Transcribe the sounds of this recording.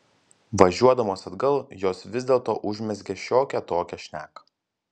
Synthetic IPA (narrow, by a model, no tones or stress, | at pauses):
ʋɐʒʲuɔd̪ɐmoːsɐd̪ɡɐlˠjoːsʋʲɪzd̪ʲeːlˠt̪oːʔʊʒʲmʲɛsɡʲɛʃʲoːkʲɛt̪oːkʲɛʃʲnʲæːkɐ